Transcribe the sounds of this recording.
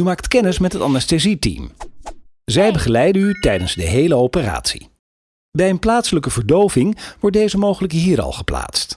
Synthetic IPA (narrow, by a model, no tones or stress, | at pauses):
ymaːktkɛnɪsmɛtɦətanastezitḭm | zɛjbəχəlɛjdənytɛjdənzdəɦejləowpəra̰ːtsḭ | bɛjənplaːtsələkəvəɹdowvɪŋʋɔɹt̚dejzəmowχələkɦiːɾɑ̰lˠχə̥pla̰ːtst